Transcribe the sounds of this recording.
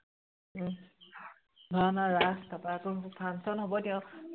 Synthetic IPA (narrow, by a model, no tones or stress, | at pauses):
bʱanaɹastapatʊpʰansɔnɦɔbɔtɛʊ̃